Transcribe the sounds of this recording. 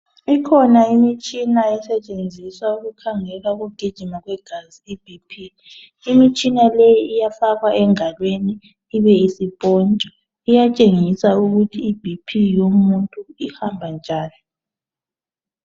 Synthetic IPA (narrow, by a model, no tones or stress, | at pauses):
ikʰɔnaimit͡ʃʼinaɛsɛt͡ʃʼend͡zʱiswauɣukʰaŋɛlwaɣuɡ̥ʱid̥ʒ̥ʱimaɣwɛɡ̥ʱaziibʱipʰiː | mit͡ʃʼinalɛjiijafaɣaʔɛŋalweni | iβɛisib̥ʱʼɔnt͡ʃʼɔ | ijat͡ʃʼeŋisauɣutʰiːb̥ʱipʰijomuntʼuihambʱand͡ʒʱaːni